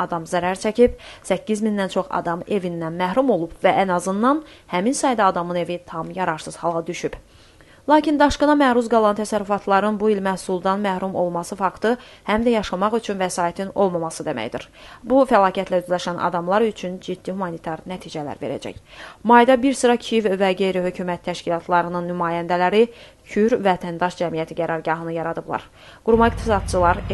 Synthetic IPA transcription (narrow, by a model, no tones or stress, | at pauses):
ɑd̪ɑmzæɾæɾt͡ʃʰæcʰipsæcːizminːænt͡ʃʰo̞χɑ̰d̪ɑme̞vinːænmæɦɾumo̞lˠubvæʔænɑzɯnːɑnhæminsɑjd̪ɑːd̪ɑmɯne̞vit̪ʰɑmjɑɾɑɾsɯz̥hɑlˠʁɑd̪yʃyb | lˠɑːcʰind̪ɑʃkɯnɑmæhɾuzɡɑlˠɑnt̪ʰæsæɾyfɑt̪lˠɑɾɯnbuilmæhsulˠd̪ɑnmæhɾumo̞lˠmɑsɯfɑkt̪ɯhæmd̪æjɑʃɑmɑχyt͡ʃʰynvæsɑːit̪ʰino̞̰lˠmɑmɑsɯd̪emæ̰jd̪ḭɾbufælɑːcʰæt̪læyzlæʃænɑ̰d̪ɑmlˠɑɾyt͡ʃʰynd͡ʒid̪ːihumɑnit̪ʰɑɾnæt̪ʰiːd͡ʒælæ̰ɾve̞̰ɾæ̰d͡ʒæ̰çmɑjd̪ɑbiɾsɯɾɑcʰivvæɟe̞jɾihø̞cʰymæt̪ʰːæʃcilˠɑt̪ʰlˠɑɾɯnɯnːymɑːjænd̪ælæɾi | cʰyɾvæt̪ʰænd̪ɑʃd͡ʒæmijæt̪ʰiɟæɾɑɾɟɑɦɯnɯjɑɾɑd̪ɯblˠɑ̰ɾ | ɡ̥uɾmɑikt̪ʰisɑd̪̚t͡ʃʰɯlˠɑɾ